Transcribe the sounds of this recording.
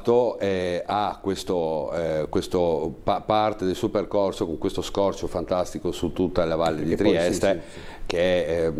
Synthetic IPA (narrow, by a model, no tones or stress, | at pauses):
t̪ːoɛakːwest̪okwest̪opapart̪ed̪elsuoperkorsokoŋkwest̪oskɔrt͡ʃofant̪ast̪ikosut̪ːut̪ːalavalːed̪it̪ɾiɛst̪e | k̟eɛ